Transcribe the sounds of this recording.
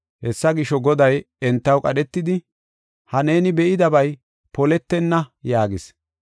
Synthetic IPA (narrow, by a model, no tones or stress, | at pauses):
hɛsːɐɡɪʃɔɡɔd̪ɐj | ɛnt̪ːɐwkʼɐ̰ɗɛt̪ːɪd̪ɪ | hɐne̞ːnɪbɛʔɪd̪ɐbɐj | pɔlɛt̪ːɛnːɐjaːɡɪs